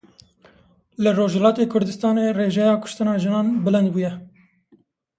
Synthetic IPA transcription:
lɨroːʒhɛlɑːt̪eːkʰʊɾd̪ɨst̪ɑːneːreːʒɛjɑːkʰʊ̥ʃt̪ɨnɑːʒɨnɑːnbɪlɨnd̪̚buːjɛ

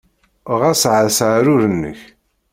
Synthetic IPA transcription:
ʁæsʕəðsʕaɾʊɾənːə̰ç

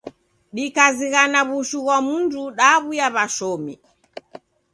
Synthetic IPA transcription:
ɗikaziɣanaβuʃuɣwamunduɗaβujaβaʃɔmi

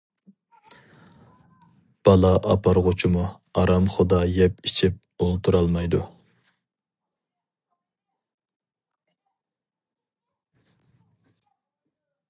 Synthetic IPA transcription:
b̥ɑlˠɑʔɑpʰɑɾʁʊt͡ʃʰimu | ɑɾɑmχʊd̪ɑjɛpit͡ʃʰip̚olˠt̪ʰuɾɑlˠmɑjd̪u

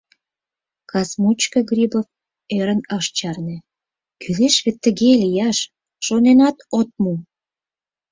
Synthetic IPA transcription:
kɑsmut͡ɕkəɡrʲibof | eɾənɑʃt͡ɕɑrnĕ | kyleʃβet̪ːə̆ɣelijɑʃ | ʃonenɑt̪ot̪̚mu

